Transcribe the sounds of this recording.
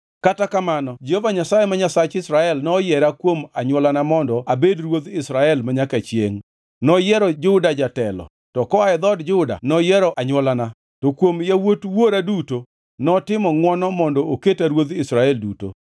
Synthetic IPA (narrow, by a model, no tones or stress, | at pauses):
katakamanɔd͡ʒeovaɲasajemaɲasat͡ʃɪsɾaɛlnɔjɛɾakwomaɲwɔlanamɔndɔabedɾwod̪ɪsɾaɛlmaɲakat͡ʃjḛŋ | nɔjɛɾɔd͡ʒʊdad͡ʒatɛlɔ̰ | tɔkɔaɛd̪ɔdd͡ʒʊda̰nɔjɛɾɔʔaɲwɔlana | tokwomjawotwoɾaduto | nɔtɪmɔŋwɔnɔmɔndɔoketaɾwod̪ɪsɾaɛlduto̰